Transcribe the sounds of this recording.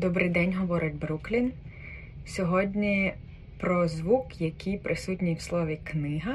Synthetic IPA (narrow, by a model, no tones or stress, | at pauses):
d̪ɔbɾɪjd̪ɛnʲɦɔʋɔɾɪtʲbɾuklʲin | sʲɔɦɔdʲnʲi | pɾɔzʋukjɐkʰʲijpɾʔɪsutʲnʲijwslˠɔʋʲiknɪɦɐ